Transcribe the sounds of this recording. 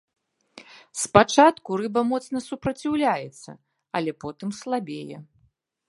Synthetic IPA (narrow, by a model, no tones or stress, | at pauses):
spat͡ʂat̪kuɾɨbɐmɔt̪snɐsupɾɐt͡sʲiwlʲajɛt̪sːɐ̰ | ɐlʲɛpɔt̪ɨmslˠabʲejɛ̰